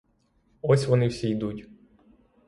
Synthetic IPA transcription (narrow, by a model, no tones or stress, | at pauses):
ɔsʲʋɔnɪwsʲijd̪utʲ